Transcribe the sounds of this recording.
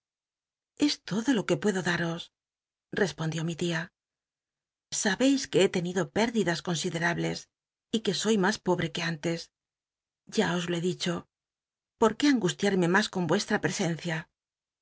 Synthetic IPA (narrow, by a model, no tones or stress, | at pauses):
e̞st̪o̞ðo̞lo̞ke̞pwe̞ðo̞ðaɾo̞s | re̞spo̞nd̪jo̞mit̪ia | saβe̞jske̞et̪e̞niðo̞pe̞ɾðiðasko̞nsiðe̞ɾaβle̞s | ike̞so̞jmaspo̞βɾe̞ke̞ant̪e̞s | ɟ͡ʝao̞zloe̞ðit͡ʃo̞ | po̞ɾke̞aŋɡust̪jaɾme̞masko̞mbwe̞st̪ɾapɾe̞se̞n̟θja